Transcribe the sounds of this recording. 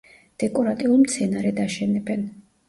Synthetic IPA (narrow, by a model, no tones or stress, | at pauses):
d̪̥ɛkʼɔɾat̪ʼiulˠmt̪sʰɛnaɾɛd̪aʃɛnɛbɛn